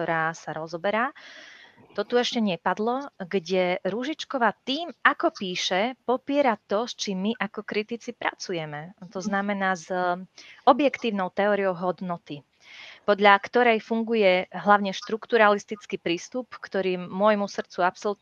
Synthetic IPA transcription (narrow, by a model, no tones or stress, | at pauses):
ɔɾaːsaɾɔzɔbɛɾaː | t̪ɔt̪uɛʃcɛɲɛpad̪lɔɡɟɛɾuʒit͡ʃkɔʋat̪iːmakɔpiːʃɛpɔpɪɛɾat̪ɔst͡ʃimːiʔakɔkɾit̪it͡sipɾa̰t͡sujɛmɛt̪ɔznamɛnaːz | ɔbjɛkt̪iːʊnɔʊt̪ɛɔːɾiɔʊɦɔd̪nɔt̪i | pɔd̪ʎakt̪ɔɾɛjfuŋɡujɛɦlaʊɲɛʃt̪ɾukt̪uɾalist̪it͡skiːpɾiːst̪upkt̪ɔɾiːʊɔjmusr̩t͡suapsɔl